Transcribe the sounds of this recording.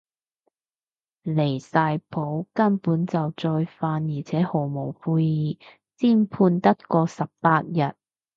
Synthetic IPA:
le˨˩jsaː˧jpʰo˨˥wkɐ˥npuː˨˥nt͡sɐ˨wt͡sɔː˧jfaː˧njiː˨˩t͡sʰɛː˨˥ho˨˩wmo˨˩wpʰuː˧jjiː˨˧ | t͡siː˥npʰuː˧nt̪ɐ˥t̚kɔː˧sɐ˨p̚paː˧t̚jɐ˨t̚

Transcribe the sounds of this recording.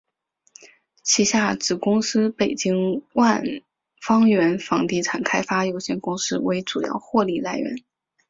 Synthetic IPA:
t͡ɕʰi˧˥ɕja˥˩ʈ͡ʂɻ̩˨˩kʊ˥ŋsɹ̩˥pe˨˩ɪt͡ɕi˥ŋwa˥˧n | fɑ˥ŋɥɛ˧˥nfɑ˧˥ŋt̪i˧˥˩ʈ͡ʂʰa˨˩nkʰa˥ɪfa˥jo˧˥ʊɕjɛ˥˩nkʊ˥ŋsɹ̩˥we˧˥ɪʈ͡ʂu˨˩jɑ̰˥˧ʊxwɔ˥˧li˥˩la˥˩ɪɥɛ̰˧˥n

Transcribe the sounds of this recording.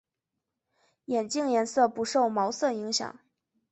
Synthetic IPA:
jɛ˨˩nt͡ɕi˥˧ŋjɛ˧˥nsɤ˥˩pu˧˥ʂo˥˩ʊmɑ˧˥ʊsɤ˥˩i˧˥ŋɕjɑ̰˨˩˦ŋ

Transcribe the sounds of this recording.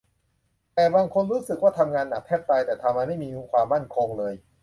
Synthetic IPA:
t̪ɛː˨˩baː˧ŋkʰo˧nɾuː˦˥sɯ˨˩k̚waː˥˩t̪ʰa˧mŋaː˧nːa˨˩p̪ʰɛ˦˥˩p̚t̪a˧jt̪ɛː˨˩t̪ʰa˧mːa˧ma˥˩jmiː˧˦˥kʰwaː˧mːa˥˩nkʰo˧ŋlɤː˧j

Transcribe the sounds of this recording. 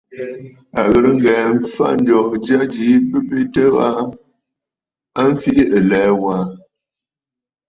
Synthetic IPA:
a˨ɣə˨ɾə˦ŋ˦ɡɛ˨m˨˦fa̰˦n̩˦dɔ˨k̚d͡ʒa˦d͡ʒi˨˦bə˦be˦tə˦a˦ | a˦m˦fi˦ʔi˦ʔə˨lɛː˨˦wa˨˦

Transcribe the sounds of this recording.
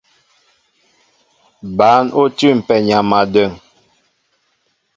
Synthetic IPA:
ba˨˦no˦tʉ˦˨m̩˨pɛ˨ɲa˨ma˨də˦˨ŋ

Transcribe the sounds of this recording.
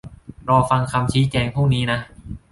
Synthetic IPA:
ɾɔː˧fa˧ŋkʰa˧mt͡ɕʰiː˦˥t͡ɕɛː˧ŋpʰuː˥˩ŋ̚niː˦˥na˦˥ʔ

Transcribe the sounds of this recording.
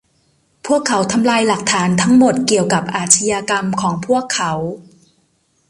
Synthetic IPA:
pʰu˥˩əkʰːa˩˦wt̪ʰa˧mlaː˧jla˨˩k̚t̪ʰaː˩˦nt̪ʰa˦˥ŋmo˨˩t̪̚ki˨˩əwka˨˩p̚ʔaː˨˩t̪̚t͡ɕʰi˧jaː˧ka˧mkʰɔː˩˦ŋpʰu˥˩əkʰːa˩˦w

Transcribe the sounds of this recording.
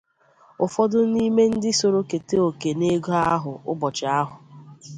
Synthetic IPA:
ʊ˨fɔ˦dʊ˦ni˦me˦n̩˦dɪ˦so˨ɾo˦ke˨te˦o˨ke˨ne˦ɡo˦a˦ɦʊ˨ʊ̰˦bɔ˨t͡ʃɪ˨a˦ɦʊ˨

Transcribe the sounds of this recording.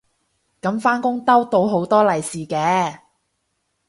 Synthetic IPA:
kɐ˨˥mfaː˥nkʊ˥ŋt̪ɐ˥wt̪o˨˧wɦo˨˥wt̪ɔː˥lɐ˨jsiː˨kɛː˨˧˥

